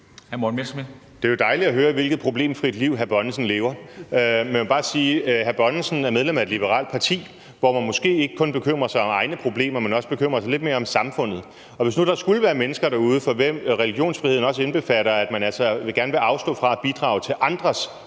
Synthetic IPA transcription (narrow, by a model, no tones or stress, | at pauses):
hæɐmonmesm | d̥eɐjo̝d̥ɑ̈ɪlid̥æɦøːɐʋe̝lɡ̥ð̩ˠpʰʁo̝b̥le̝̰ːmfʁid̥liʊ̰ɦæɐb̥ɒ̽nsn̩le̝ːʊɐ | meb̥ɑ̈ːsiːɦæɐb̥ɒ̽nsn̩æɐmeðˠlem̰æed̥lib̥əʁɑ̰̈ld̥̚pʰɑ̈t͡sʰḭː | ʋɒmænmɔ̽sɡ̥e̝̰ːe̝ɡ̥əkʰɔ̽nb̥e̝kʰøm̰ʁɐsɑ̈ɪɒ̽mɑ̈ɪnəpʰʁo̝b̥le̝̰ːmɐmenɒ̽səb̥e̝kʰøm̰ʁɐs̬ɑɪle̝d̥me̝ːɐɒ̽msɑ̈mfɔ̽n̰ð̩ˠ | ɒ̽ʋe̝snud̥ɑ̈sɡ̥uləʋæːɐmenəsɡ̥ɐɾ̥ɑ̈uːð̞ˠəfɒ̽ʋemʁɛliɡ̥jo̝̰ːnsfʁiheð̰ˠn̩ɒ̽səenb̥e̝fæɾ̥ɐæd̥mænæl̰sɐʋe̝ɡæɐnəʋe̝ʔɑ̈ʊsd̥ɔ̰̽ːfʁɑ̈æb̥id̥ʁɑ̰̈ːʊt͡sʰe̝lʔɑ̈nd̥ʁɐs